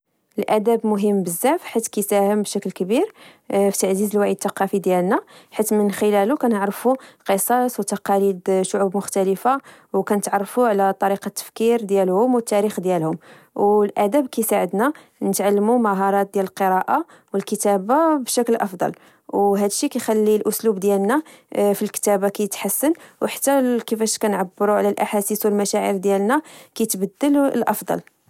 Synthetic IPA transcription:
ʔəlʔæd̪æbmʊɦəmːbəzːæfħit̪kæjsæhəmbʃæklkəbiɾfit̪aʕzizəlwaʕid̪̚t̪ːɑqɑfid̪jælnæħit̪ːmənxəlælukænəʕɾfuqəsˤɑswt̪ɑqɑlid̪ʃʊʕubmʊxt̪æləfawkænət̪ʕɑrˤːfuʕlæt̪ˤːɑɾiqɑt̪ːə̥fkiɾd̪jælhʊmwət̪ːæɾixd̪jælhʊm | wlʔæd̪æbkæjsaʕəd̪næ | nət̪ʕalːəmumæɦɑɾˤɑt̪̚d̪jæləlqəɾˤɑʔa | wəlkət̪æbabʃæklʔɑfd̪ˤɑ̰l | wɦæd̪ʃːikæjxælːilʔʊslubd̪jælnæfilkə̥t̪æbakæjət̪ħasːənwħḁt̪ːækəfæʃkænʕabːəɾuʕlælʔaħasiswəlmæʃæʕə̰ɾd̪jælnækæjt̪bəd̪ːələlʔɑfd̪ˤɑ̰l

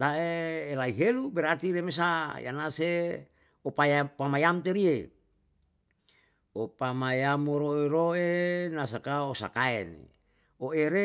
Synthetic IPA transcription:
t̪aeːlaiɦelubɛɾart̪iɾemes̬aja̰nase | opajapamajant̪eɾie | opamajamoɾoeɾoenas̬akaosa̰kaɛnḛ | oeɾe

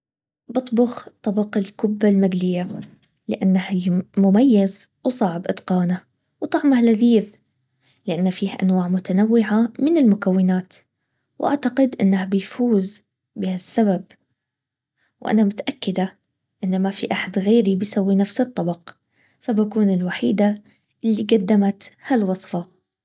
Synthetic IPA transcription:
bɨt̪ˤbʊxt̪ˤːɑbɑqɪlkʊbːalmad̪lɪjːa | lɪ̰ʔanːahɪmʊmajːaz | wsˤɑʕbʔɪt̪qɑːna | wt̪ˤɑʕmahlaðiːð | lɪʔanːafiːhʔa̰nwaːʕmʊt̪anawːɪʕamɪnɪlmʊkawːɪnaːt̪ | wʔa̰ʕt̪aqɪd̪ʔɪ̰nːahabɪjfuːz | bɪhasːabab̚ | wʔa̰namʊt̪aʔakːɪd̪a | ʔɪnːamafiʔaħad̪ɣeːɾibɪjsawːinafsɨt̪ˤːɑbɑq | fabakuːnɪlwaħiːd̪a | ʔɪlːiɡad̪ːamat̪halwɑsˤfɑ

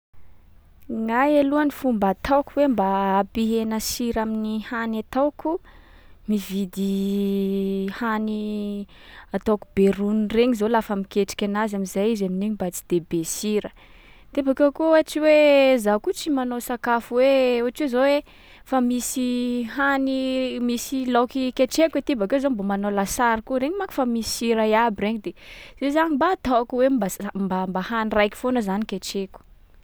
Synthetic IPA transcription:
ŋajeluanifumbat̪awkuwembaːpiɦenasiɾaminihanat̪awku | mivid̪i | hani | at̪awkubeɾunreɲizolafəmikʲeʈ͡ʂi̥kʲanazamizajizaminiɲibat͡si̥d̪̥ebesiɾə | t̪ebakoakuaʈ͡ʂiwezakut͡simanosakafuweoaʈ͡ʂezowe | famisihanimisilokikeʈ͡ʂeket̪ibakezombomanolasaɾikuɾeɲimakḁfamisisiɾajabireɲid̪ezezaɲimbaːt̪awakuwembambambahanirajkʲi̥fonəzanikeʈ͡ʂeku̥

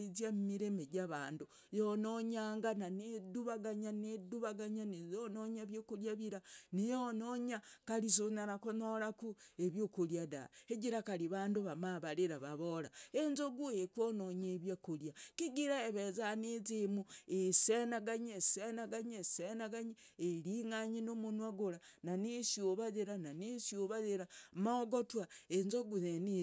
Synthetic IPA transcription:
izjammiɾemeɟaβaːndu | jonoɲaːŋɡananeduβaɡaɲaneduβaɡaɲanizonoɲaβjokuljaβiɾanijonoɲakalis̬onaɾakonoɾakueβjokuljada̰eɟiɾakaɾiβaːnduβamaβaɾeɾaβaβoɾaenzoɡuekwonoɲeβjakuljakiɡiɾaeβezanizimuesenaɡaɲesenaɡaɲesenaɡaɲi | eɾiŋaɲinomunwaɡuɾa | nanisjoβazeɾananisoβazeɾamaɡotwaenzoɡuneni

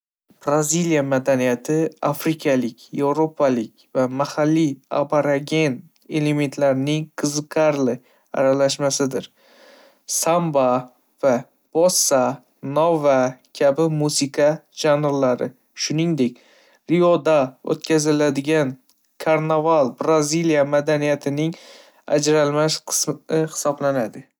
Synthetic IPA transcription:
b̥ɾazilijamad̪anijat̪ʰɪafɾɪkʰalɪkʲe̞vɾopʰalɪkʲvamahalːia̰pʰaɾaɡʲe̞n | e̞le̞me̞nt̪laɾɪnɪŋqʰɨzɨqʰɑɾlɪ | a̰ɾalaʃmasɪd̪ɪɾ | samba | va | b̥ɒsːa | novakʲʰabɪmusɪqʰɑʒanɾlaɾɪ̰ | ʃʊnɪŋd̪e̞k̚ʲ | ɾiɒd̪ao̰t̪kʲʰazɪlad̪ɪɡʲan | kʰaɾnavalˠbɾazilijamad̪anijat̪ʰɪnɪŋ | a̰d͡ʒɾalmaʃqʰɨ̥sɪhɪ̥sɒblanad̪ɪ

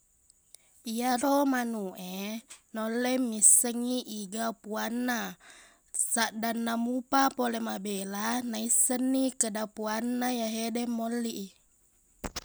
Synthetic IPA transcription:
iaɾomanuʔenolːemːisːəŋːiʔiɡapuanːa | saʔdanːamupapolemabelanaisːənːikədapuanːajaɦedɛmːolːiʔi

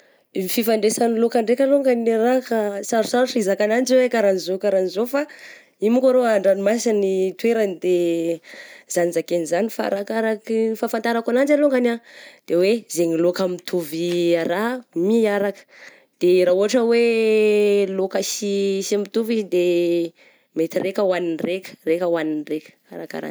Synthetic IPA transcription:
mififaɳɖ͡ʐesanilokaɳɖ͡ʐekʲaloŋɡaniɾakasaɾusaɾuʈ͡ʂizakanand͡ʒiwekaɾanizokaɾanizofa | imukaɾoaɳɖ͡ʐanimasanit̪weɾənid̪e | z̥anizakenizanifa̰ɾakaɾakifafant̪aɾakanand͡ʒaloŋɡanad̪̥ewezeŋilokamit̪ʰuviaɾamiaɾakə̥ | d̪̥eraɦuaʈ͡ʂəwe | lokəsisimit̪uvizid̪e | met̪iɾekʲəwaninrekʲə̥rekəwaninrekʲə̥a̰ɾa̰ka̰ɾa̰

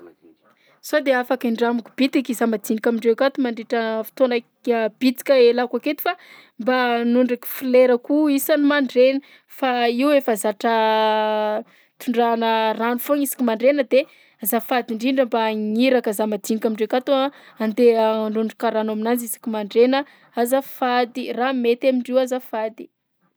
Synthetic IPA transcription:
sod̪eafakiɳɖ͡ʐamukub̥it̪ikizamad̪inikʲamiɳɖ͡ʐewkat̪umaɳɖ͡ʐeʈ͡ʂəfi̥t̪ona | b̥it̪i̥kʲəelakaket̪i̥fa | mbanuɳɖ͡ʐiki̥fileɾəkuisanimaɳɖ͡ʐeni | faiwefazaʈ͡ʂə | t̪uɳɖ͡ʐanəranufoŋisi̥kimaɳɖ͡ʐenəd̪e | azafad̪iɳɖ͡ʐiɳɖ͡ʐəmbaŋiɾakəzamad̪iɲikʲamiɳɖ͡ʐekʲat̪o | and̪eɳɖ͡ʐuɳɖ͡ʐikaɾanaminand͡zizi̥kimaɳɖ͡ʐenə | azafad̪iramet̪amiɳɖ͡ʐiwazafad̪i̥

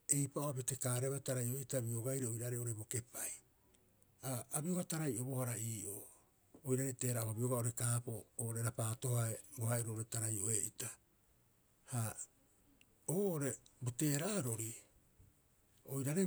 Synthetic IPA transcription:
e̞jpaʔoabetekaːɾeβataɾajʔoeʔitabioɡajɾeojɾaɾeo̞ɾebo̞ke̞paj | aabio̞ɡataɾajʔo̞bo̞haɾaʔiːʔoː | jɾaɾete̞ːɾaʔohabio̞ɡao̞ɾe̞kaːpooːʔoɾeɾapaːto̞haebohaeoɾoːʔoɾetaɾajo̞eʔita | ha | oːʔoɾe̞bote̞ːɾaːɾo̞ɾi | ojɾaɾe

